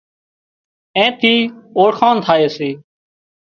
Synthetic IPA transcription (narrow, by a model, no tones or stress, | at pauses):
ẽːt̪ʰiːoːɽxʰaːnt̪ʰaːeːseː